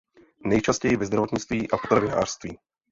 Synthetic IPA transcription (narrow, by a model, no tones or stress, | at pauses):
nɛjt͡ʃascɛjɪvɛzd̪ɾavo̞t̪ɲɪt͡st̪viːʔapot̪ɾavɪna̰ːr̥st̪viː